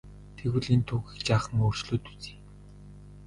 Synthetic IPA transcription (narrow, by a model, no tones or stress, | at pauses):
t̪ʰeɣwɘ̆ɮent̪ʰuːɣʲĭkt͡ɕaːχə̆ŋoːr̥t͡ɕɮoːt̪u̥t͡si̥ː